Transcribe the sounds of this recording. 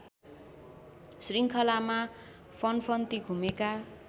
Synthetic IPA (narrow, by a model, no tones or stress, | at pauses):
sriŋkʰʌlama | pʰʌnpʰʌnt̪iɡʱumeka